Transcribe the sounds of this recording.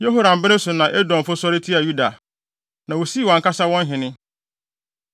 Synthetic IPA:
je˦ɦo˦ɾã˨m̩˨bɪ˦nɪ̃˦sʊ˨nã˨ʔɛ˦dɔ̃˨m˨fʊ˦sɔ˦ɾɪ˦tʰi˦a˨ju˦da˨ | nã˨wo˨si˦˨wɔ̃˨ŋ˨ka˦sa˦wɔ̃˦n˦ɦɪ̃˨nɪ̃˦

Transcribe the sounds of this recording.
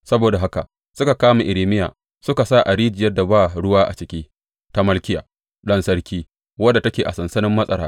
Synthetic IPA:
sɐ˦boː˨da˨ɦa˦ka˨ʔ | sʊ˦ka˨kaː˦ma˨ʔɪ˨ɾiː˨mɪ˦ja̰ː˨ | sʊ˦ka˨saː˦˨ʔa˨ɾiː˦d͡ʒɪ˨jɐ˦da˨baː˦˨ɽʊ˦waː˦ʔa̰˨t͡ʃɪ˨kʲiː˦ | ta˦mɐ˦lkʲɪ˦ja̰ː˨ | ɗɐ˦nsɐ˦ɾkʲiː˦ | wɐ˦dːa˨tɐ˦kʲeː˨ʔa˨sɐ˨nsɐ˦nɪ˦mːɐ˦sʼɐ˨ɾaː˦

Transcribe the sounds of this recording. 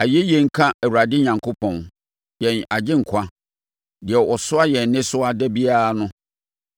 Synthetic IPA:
a˨jɛ˦jɛ˨ŋ̩˦kʰã˦ɛ˨wu˨ɾa˨dɪ˦ɲã˨ŋkʰo˦pʰɔ̃˨n | jɛ̃˨na˨d͡ʑɪ̃˦ŋ̩˨kʷʰa˦ | dɪ˨ɛ˨ʔɔ˨sʊ˦a˦jɛ˨nːɪ̃˦sʊ˦a˦dɛ˦bi˦a˦a˨nʊ̃˦

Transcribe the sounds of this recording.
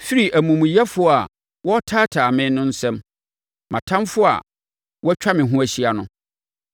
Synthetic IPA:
fi˦ɾi˨ʔæ˨mũ˨mũ˨jɛ˦fʊ˦˨a˨ | wɔ˦tʰaː˦tʰaː˨mɪ̃˦nʊ̃˦n̩˦sɛ̃˦m | mʔã̰˨tʰã˦mfʊ˦a̰˨ | wɔ˦t͡ɕᶣʰa˦mɪ̃˨ɦũ˦æ˨ɕi˦a˨nʊ̃˦

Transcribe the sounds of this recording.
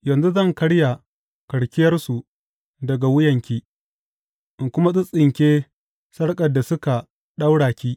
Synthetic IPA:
jɐ˨nzu˦zɐ˦˨ŋkɐ˦ɽja˨ | kɐ˨ɽkʲɪ˦jɐ˦rsu˨ | dɐ˨ɡa˨wʊ˦jɐ˨ŋkʲiː˦ | ʔɪ˨ŋkʷʊ˦ma˦sʊ˦sʼɪ˨ŋkʲeː˦ | sɐ˦ɽkʼɐ˨dːa˨sʊ˦ka˨ | ɗa˦wɽaː˨kʲiː˦

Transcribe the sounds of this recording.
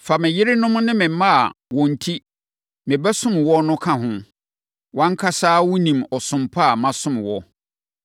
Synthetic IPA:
fa˨mɪ̃˨jɪ˦ɾɪ˦nʊ̃˦m˦nɪ̃˦mɪ̃˨˦mã˦a̰˨wɔ̃˨n̩˨tʰi˦ | mɪ̃˨bɛ˦sʊ̃˦m˨wɔ˦nʊ̃˦kʰã˦ɦʊ̃˦ | wã˦ŋ̩˦kʰa˦saː˦wʊ˦nĩ˨mɔ˨sʊ̃˨mpʰa˦a˨mã˦sʊ̃˦m˨wɔ˦

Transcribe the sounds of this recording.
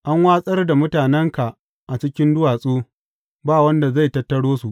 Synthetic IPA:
ʔa˦ŋwaː˦sʼɐ˦rda˨mʊ˦taː˨nɛ˦ŋka˨ʔ | ʔa˨t͡ʃɪ˦kʲɪ˦ndʊ˦waː˨sʼoː˦ | baː˦˨wɐ˦nda˨za˦˨tɐ˦tːɐ˦ɽoː˦su˨ʔ

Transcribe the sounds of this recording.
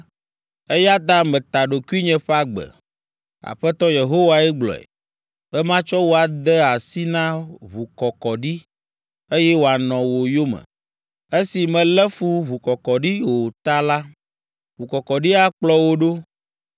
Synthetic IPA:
e˦ja˦t̪a˦mɛ̃˨t̪a˨ɖo˨ku˦i˦ɲɛ̃˨ɸa˦ɡ͡bɛ̰˨ | a̰˨ɸɛ˦t̪ɔ˦je˨ɦo˦wa˨ɛ˦ɡ͡blɔ̰˨ɛ̰˨ | bɛ˦mã˦t͡ʃɔ˦wo˨a˨d̪ɛ˦a˨si˦nã˦βu˨kɔ˨kɔ˨ɖi˦ | e˦jɛ˦wo˨a˨nɔ̃˨wo˨jo˦mɛ̰̃˨ | e˦si˨mɛ̃˨lɛ˦fu˦βu˨kɔ˨kɔ˨ɖi˦o˨t̪a˦la˦ | βu˨kɔ˨kɔ˨ɖi˦a˦k͡plɔ˦wo˦ɖo˦

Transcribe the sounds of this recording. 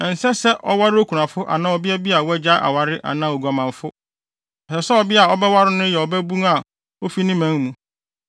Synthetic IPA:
n̩˨sɛ˦sɛ˦ʔɔ̰˦wa˦ɾɪ˦o˦kʰu˨nã˨fʊ˦ʔa̰˨nã˦ɔ˨bɪ˦ɛ˦bi˦a˨wɔ˦ɛ˦d͡ʑa˦ʔa̰˨wa˨ɾɪ˦ʔa̰˨nã˦˨o˨ɡʷu˨a˨mã˨fʊ˦ | ɔ˨sɛ˨sɛ˦ɔ˨bɪ˦a˨ɔ˦bɛ˦wa˦ɾɪ˦nʊ̃˦jɛ˨ɔ˨bɛ˦bũ˦ŋa˨ | o˦fi˦nĩ˦mæ̃˦ŋmũ˨˦

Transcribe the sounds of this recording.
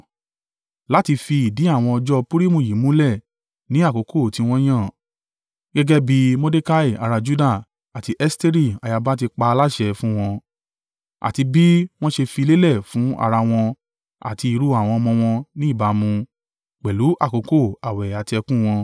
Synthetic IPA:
la˦ti˧fi˧i˨di˨˦a˦˨w̃ɔ̃˧ɔ˧d͡ʒɔ˦pu˦ɾi˦mũ˨ji˨˦mũ˦lɛ˦˨ | nĩ˨˦a˦˨ko˨˧kʰo˦˨ti˧w̃ɔ̃˦j̃ã˦˨ | ɡɛ˦ɡɛ˦bi˧mo˦de˦ka˦i˦˨a̰˨˧ɾa˧d͡ʒu˦da˦˨ | a˨ti˧ʔɛ˦ste˦ɾi˦˨a˨ja˧ba˦t̬i˧k͡pa˧la˦ʃɛ˧˨fũ˦w̃ɔ̃˧ | a̰˨ti˧bi˦w̃ɔ̃˦ʃe˧fi˧le˦lɛ˦˨fũ˨˦a̰˧˨ɾa˧w̃ɔ̃˧ | a̰˨ti˧i˧ɾu˧˦a˨w̃ɔ̃˧ɔ˧mɔ̃˧w̃ɔ̃˧nĩ˦˨ba˧mũ˧ | k͡pɛ˨lu˨˦ʔa˦˨ko˨˧ko˦˨a˨wɛ˨a˨ti˧ɛ˧kũ˦w̃ɔ̃˧

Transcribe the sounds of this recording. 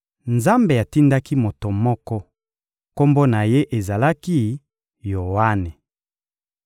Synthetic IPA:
nza˦mbe˨ja˨ti˦nda˦ki˦mo˨to˨mɔ˦kɔ˦ | ko˦mbo˦na˨je˦ʔe˨za˨la˦ki˦ | jo˨wa˦ne˨

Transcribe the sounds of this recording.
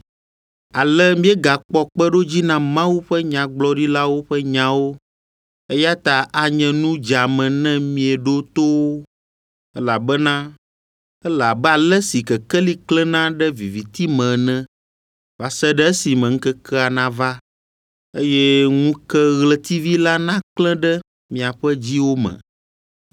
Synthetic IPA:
a˨lɛ˦mĩ˦ɛ˦ɡa˨k͡pɔ˦k͡pɛ˦ɖo˦d͡ʑi˦nã˦mã˦wu˦ɸɛ˦ɲã˨ɡ͡blɔ˦ɖi˦la˦wo˦ɸɛ˦ɲã˨wo˦ | e˦ja˦t̪a˨ʔa˨ɲɛ̃˨nũ˦d͡ʒa˨mɛ̃˨nɛ̃˦mĩ˦ɛ˨ɖo˦t̪o˦wo˦ | ɛ˦la˨bɛ˦nã˦ | ɛ˦la˨bɛ˦a˨lɛ˦si˨kɛ˨kɛ˦li˦klɛ̃˦nã˦ɖɛ˦vi˨vi˨t̪i˦mɛ̃˨nɛ̃˦ | va˨sɛ˦ɖɛ˦ɛ˦si˨mɛ̃˨ŋ̩˦kɛ˦kʰɛ˦a˨nã˦va˦ | e˦jɛ˦ŋũ˦kɛ˦ɣlɛ˦t̪i˦vi˦la˦nã˦klɛ̃˦ɖɛ˦ | mĩ˨a˨ɸɛ˦d͡ʑi˦wo˦mɛ̰̃˨

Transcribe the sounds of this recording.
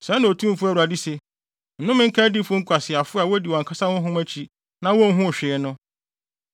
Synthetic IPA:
sɛ˨˦nã˨o˨tʰũ˦m˦fʊ˦æ˦˨u˨a˨di˦se˨ | n̩˨nʊ̃˦mɪ̃˦ŋ̩˦kʰa˦dɪ˦fʊ˦ŋ̩˦kʷʰa˨sɪ˨a˨fʊ˦a˨wɔ˦di˨wɔ̃˨ŋkʰa˦sa˦wʊ̃˦ɦʊ̃˦mæ˦t͡ɕʰi˨ | nã˦wɔ̃˦n˦ɦʊ̃˦˨ɕᶣɪ˨ɛ˨nʊ̃˦

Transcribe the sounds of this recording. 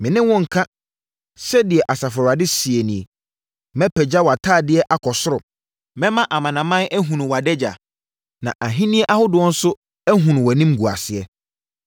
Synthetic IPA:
mɪ̃˨nɪ̃˦wɔ̃˦ŋ̩˨kʰa˦ | sɛ˦dɪ˨ɛ˨ʔa˨sa˨fɔ˨ɾa˨dɪ˦si˨e˨nĩ˨e˨ | mɛ̃˦pʰɛ˨d͡ʑa˦wa˨tʰaː˦˨dɪ˦ɛ˦ʔa˨kʰɔ˨sʊ˦ɾʊ˨ | mɛ̃˦mã˦ʔa˨mã˨nã˨mã˦nɛ˦ɦũ˨nũ˨wa˨dɛ˦d͡ʑa̰˨ | nã̰˨ʔa˨ɦĩ˦nĩ˦e˦ʔa˦hʊ˦dʊ˨ɔ̃˦n̩˦sʊ˦ | æ˦ɦũ˨ñ˨wa˨nĩ˦mɡu˨a̰˨sɪ˨ɛ˦

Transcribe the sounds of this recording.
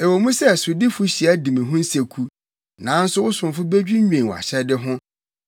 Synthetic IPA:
e˨wo˨mũ˦sɛ˦˨sʊ˨dɪ˦fʊ˦ɕi˨æ˦dĩ˨mĩ˨ɦʊ̃˦n̩˦se˨kʰu˦ | nã˨˦n̩˦sʊ˦wʊ˦sʊ̃˨m˨fʊ˦be˦d͡ʑᶣi˦ɲᶣẽ˨wa̰˨ɕɛ˦dɪ˦ɦʊ̃˦

